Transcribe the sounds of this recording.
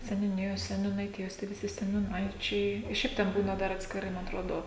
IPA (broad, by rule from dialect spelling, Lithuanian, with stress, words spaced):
sʲɛnʲuːˈnʲɪjoːs sʲɛnʲuːnɐɪˈtʲɪjoːs tʲiɛ ʋʲɪˈsʲɪ sʲɛnʲuːˈnɐɪt͡ʃʲɛɪ ɪ ˈʃʲɛɪp ˈtʲɛn ˈbuːnɐ ˈdɐr ɐtʲsʲkʲɪˈrɐɪ ˈmɐ ɐtˈroːdoː